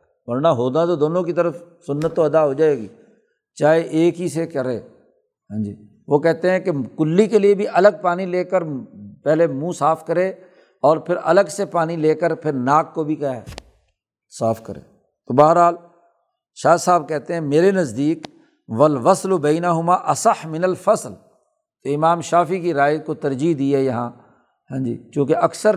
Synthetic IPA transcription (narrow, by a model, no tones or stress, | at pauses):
ʋɐɾnaɦoːd̪at̪̬od̪oːnõkit̪əɾəf | sʊnːət̪ːoɐd̪aɦoːd͡ʒaːeːɡiː | t͡ʃaːeʔeːkɦisekɐɾeː | ɦãːd͡ʒiː | ʋoːkɛɦt̪eɦɛ̃kekʊlːikeliebʱiʔɐləɡ̚paːnileːkəɾpɛːlemũːsaːfʰkəɾẽː | ɔːɾpʰɪɾɐ̰ləɡsepaːnileːkəɾpʰɪɾnaːkːobʱikaɛ | saːfʰkəɾḛ̃ː | t̪obaːɦəɾɦaːl | ʃaːsaːb̚kɛɦt̪eɦɛ̃meːɾenɐzd̪iːk | ʋɐlʋɐslbɛːnəɦʊmaːʔɐsəħmɪnəlfɐsl | t̪oɪmaːmʃaːfik̬iɾaːjkot̪ɐɾd͡ʒiɦd̪iːɦɛjɐɦãː | ɦãːd͡ʒḭːt͡ʃõːkeɐksəɾ